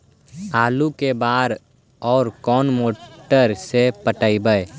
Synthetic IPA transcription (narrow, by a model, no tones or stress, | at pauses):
aːlukebaːɾ | ɔːɾkɔːnmoːʈəɾsepəʈəibəe